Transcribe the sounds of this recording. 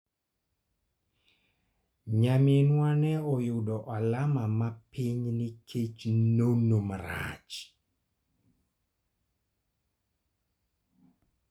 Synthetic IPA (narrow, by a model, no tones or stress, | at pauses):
ɲamenwanɛɔjʊdɔʔalamamapiɲnɪkʰet͡ʃnonomaɾa̰t͡ʃ